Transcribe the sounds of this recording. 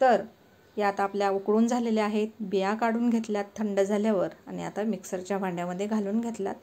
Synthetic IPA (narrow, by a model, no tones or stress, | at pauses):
t̪əɾ | jat̪apljaukɽuːnd͡zʱaleleaɦet̪bijakaɽuːnɡʱet̪ljat̪ʰːəɳɖd͡zʱaljaʋəɾa̰ɽ̃ia̰t̪amiksəɾt͡ɕjabãɳɖjaməd̪ʱjeɡʱaluːnɡʱet̪lja̰t̪̚